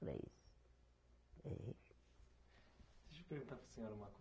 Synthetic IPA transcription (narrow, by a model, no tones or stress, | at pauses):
ɾɐ̰ḭsʊ̥ | ɛ̰i | d̪eʃpeɾɣũt̪aɾpɾɐ̥seɲoɾɐũmɐko